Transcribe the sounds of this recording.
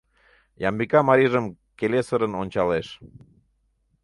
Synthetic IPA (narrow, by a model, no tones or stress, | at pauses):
jɑmbikɑmɑɾiʒəm | kelesəɾənonʲt͡ɕɑleʃ